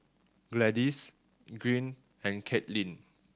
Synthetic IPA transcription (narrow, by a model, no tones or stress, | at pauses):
ɡlɛdis | ɡɹĩn | ɛ̃nkʰɛtlĩn